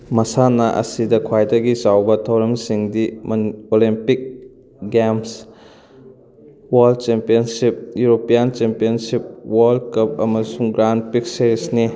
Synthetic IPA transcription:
mɐsanɐʔɐ̰sidɐkʰwajdɐɡisawbɐtʰɐwɾɐmsiŋdimolimpik̚ | ɡems | walt͡ʃempijɐnsip̚juɾopijant͡ʃempijɐnsip̚waldkɐp̚ɐmɐsuŋɡɾanpik̚seɾisni

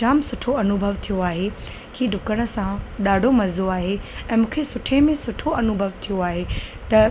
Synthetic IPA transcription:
t͡ʃaːmsʊʈʰoɐnʊbʱəʋt̪ʰijoaːɦe | kʰiːɖʱʊkəɽ̃ə̆sãɗaːɖʱomɐzoaːɦeɛ̃ːmũːkʰesʊʈʰemẽsʊʈʰoɐnʊbʱəʋt̪ʰijoaːɦet̪ɐ

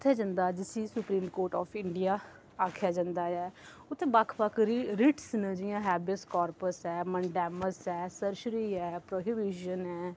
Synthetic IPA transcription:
ʊt̪ʰːeːd͡ʒãːnd̪aːd͡ʒɪsiːsʊpɾiːmkoːɾʈɔːpʰɪɳɖijaː | aːkʰjaːd͡ʒãnd̪aːɛː | ʊt̪ʰːeːbakʰpəkʰɾiɾɪʈsnə̃d͡ʒijãːɦɛːbɪskɔːɾpəsɛːməɳɖɛːməsɛːsəɾʃɾiːɛːpɾoːɦibiʃənɛː

